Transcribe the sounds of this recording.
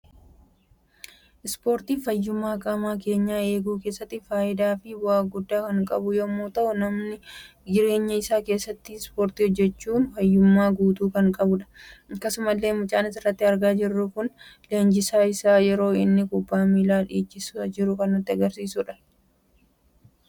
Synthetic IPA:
ʔɪspo̞ːɾt̪iːfɐjːʊmːaːkʼaːmaːke̞ːɲːaːe̞ːɡuːkeːsːɐt̪ːɪfaːʔɪd̪aːfɪbaːɡʊd̪ːaːkɐŋkʼɐbʊjomːoːt̪ɐʔʊnɐmnɪ | d͡ʒɪɾe̞ːɲːɐɪsaːke̞ːsːɐt̪ːɪspo̞ːɾt̪iːhɔd͡ʒːɛt͡ʃːuːnfɐjːʊmːaːɡuːt̪uːkɐŋkʼɐbʊᶑɐ̥ɐkːɐsʊmɐlːe̞ːmʊt͡ʃʼaːnɪsɪrːɐt̪ːɪɐɾɡaːd͡ʒɪrːʊkʊnleːnd͡ʒɪsaːɪsaːjɛɾo̞ːɪnːɪkʼʊbːaːmiːlaːᶑiːt͡ʃːɪsɐd͡ʒɪɾʊkɐnːʊt̪ːɪɐɡɐɾsiːsuːᶑɐ̥

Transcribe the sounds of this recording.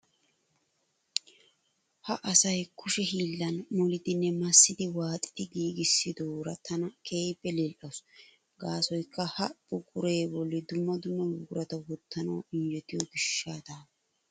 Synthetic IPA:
hɐʔɐsɐjkʰʊʃɛɦiːlːɐnmɔlɪd̪ɪnːɛmɐsːɪd̪ɪwaːt̪ʼɪ̥t̪ɪɡiːɡɪsːɪd̪oːɾɐt̪ʰɐnɐkʰeːjbːɛlɪlʔɐs | ɡaːsɔjkːɐhɐbʊkʼʊɾe̞ːbɔlːɪd̪ʊmːɐd̪ʊmːɐbʊɡʊɾɐt̪ɐwɔt̪ʰːɐnɐ̰ːɪnd͡ʒɛt̪ɪjɔɡɪʃːaːt̪aː

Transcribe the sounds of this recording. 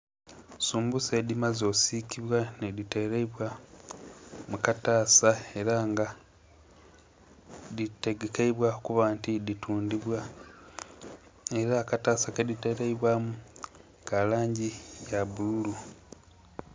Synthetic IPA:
suːmbuse̞dimazo̞sikiβwaneðite̞ːɾeiβwa | mukataːsae̞ɾaŋɡa | ðite̞ɡe̞keiβwakuβaːntiditʰuːndiβwa | eɾaːkataːsakeðite̞ɾeiβwamu | kalaːɲɟijaβululu

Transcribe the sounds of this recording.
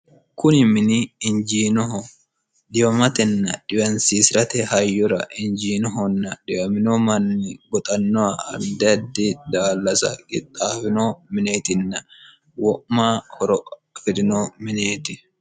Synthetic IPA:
kʊnɪmɪnɪɪnd͡ʒiːnɔɦɔ | d̪ɪbɐmɐt̪ɛnːɐᶑɪbɐnsiːsɾɐt̪ɛhɐjːɔɾɐɪnd͡ʒiːnɔɦɔnːɐᶑɪʔɐmɪnomɐnːɪbɔt̪ʼɐnːɔɐɐ̰d̪ːɛɐɐd̪ːɪd̪aːlːɐsɐ̰kʼɪt̪ʼːaːfɪnoːmɪneːt̪ɪnːɐ | wɔʔmaːhɔɾɔfɪd̪ɪnomɪneːt̪ɪ

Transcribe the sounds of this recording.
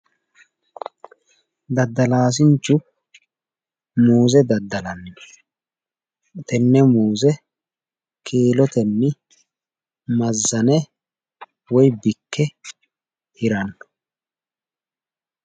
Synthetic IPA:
d̪ɐd̪ːɐlaːs̬ɪnt͡ʃːʊ | muːzɛd̪ɐd̪ːɐlɐnː | t̪ɛnːɛmuːzɛ | kʰe̞ːlɔt̪ɛnːɪ | mɐzːɐnɛ | wɔjbɪkːɛ | hɪɾɐnːɔ̥

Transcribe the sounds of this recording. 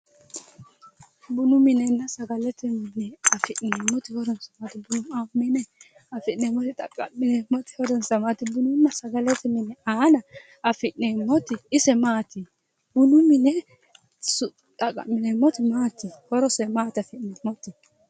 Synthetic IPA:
bʊnʊmɪnɛnːɐsɐɡɐlɛt̪ɛmɪnɛɐfɪʔneːmːɔt̪ɪhɔɾɔnsɐmat̪ɪbʊnʊmamːɪnɛ | ɐfɪʔnemːɔt̪ɪt̪ʼɐ̰kʼːɐmːɪnemːɔt̪ɪ̥hɔɾɛnsɐmat̪ɪbʊnʊnːɐsɐɡɐlɛt̪ɛmɪnɛanɐ | ɐfɪnnemːɔt̪ɪɪsɛmaːt̪ɪ | bʊnʊmɪnɛ | sʊ | t̪ʼɐkʼɐ̰mːɪnemːɔt̪ɪmaːt̪ɪhɔɾɔsɛmaːt̪ɐfɪʔnɛmːɔt̪ɪ

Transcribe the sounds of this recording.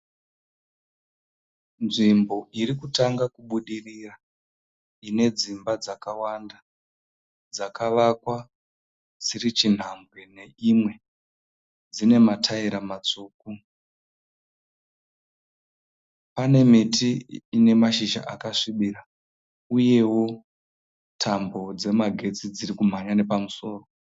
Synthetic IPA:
nʐimbo̞iɾikutaŋɡakuɓuɗirira | ine̞d͡zimbad͡zakawanda | d͡zakaʋakwa | sirit͡ʃin̤ambwene̞imwe̞ | d͡zine̞matʰaiɾamat͡suːku | pane̞mitiːne̞maʃiʃa̰ʔakaʂiɓiɾa | uje̞wo̞ | tʰambo̞d͡ze̞maɡʱe̞t͡sid͡ziɾikum̤aɲane̞pamuso̞ːro

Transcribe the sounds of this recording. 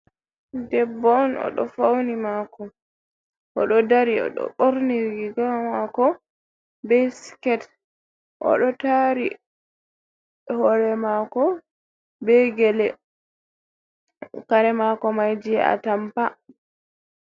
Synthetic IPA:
dɛbːɔnɔ̰ɗɔ̰fawnimakɔ | ʔɔɗɔdaɾiɔ̰ɗɔ̰ɓoɾniɾɡiɡamakɔ | bɛjskɛt | ʔɔ̰ɗɔtaɾi | hɔɾɛmakɔ | bɛɡɛlɛ | kaɾɛmakɔmajd͡ʒiɛa̰tampa

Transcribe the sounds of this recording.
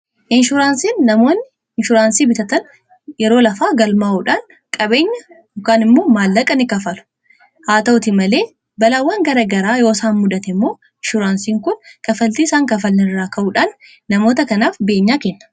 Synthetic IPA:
ʔɪnʃʊɾaːnsiːnːɐmo̞ːnːɪ | ɪnʃʊɾaːnsiːbɪt̪ɐt̪ɐn | jɛɾo̞ːlɐfaːɡɐlmaːʔʊᶑaːn | kʼɐbe̞ːɲːɐ | joːkaːnɪmːo̞ːmaːlːɐkʼɐnɪkɐfɐlʊ̥ | haːt̪ɐʊt̪ɪmɐle̞ː | bɐlaːwːɐŋɡɐɾɐɡɐɾaːjo̞ːsaːnmʊd̪ɐt̪ɛɪmːo̞ː | ɪnʃʊɾaːnsiːŋkʊnkɐfɐlt̪iːsaːŋkɐfɐlnɪrːaːkɐʔʊᶑaːnː | ɐmo̞ːt̪ɐkɐnaːfbeːɲːaːkenːɐ̥

